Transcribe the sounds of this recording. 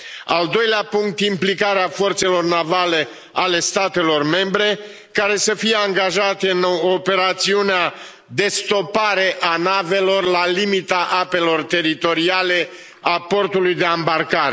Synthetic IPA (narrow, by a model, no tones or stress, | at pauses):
ald̪o̞jleapuŋk̚t̪implikaɾeafo̞rt̪se̞lo̞rnavale̞ | ale̞st̪at̪e̞lo̞rme̞mbɾe̞ | kaɾe̞səfije̞aŋɡaʒat̪eɨnope̞ɾat̪siunea | d̪e̞st̪o̞paɾe̞ʔanave̞lo̞rlalimit̪aʔape̞lo̞rt̪e̞ɾit̪o̞ɾiale̞ | apo̞rt̪ulujd̪e̞ambarkaɾe